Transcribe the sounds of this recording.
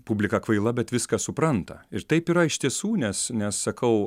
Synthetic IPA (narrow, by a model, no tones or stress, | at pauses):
pubʲlʲɪkɐkʋɐɪlˠɐbʲɛt̪ʋʲɪskɐssʊpɾɐnt̪ɐɪɾt̪ɐɪpiːɾɐɪʃt̪ʲiɛsuːnʲɛsnʲɛssɐkʰɐʊ